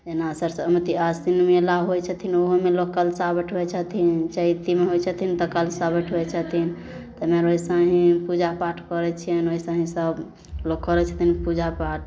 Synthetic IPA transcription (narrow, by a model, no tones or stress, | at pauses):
d͡ʒenasəɾsəmət̪iasinmelaɦojt͡ʃʰət̪ʰinoɦomelokːəlsabəʈʰɦɛt͡ʃʰət̪ʰint͡ʃəit̪imeɦojt͡ʃʰət̪ʰint̪əkəlsabəʈʰɦojt͡ʃʰət̪ʰin | t̪əmeɾoɦisəɦĩpud͡ʒapaʈʰkəɾɛt͡ʃʰijənoisãɦĩsəb | lokkːɔɾɛt͡ʃʰə̥t̪ʰinpud͡ʒapaʈ̚ʰ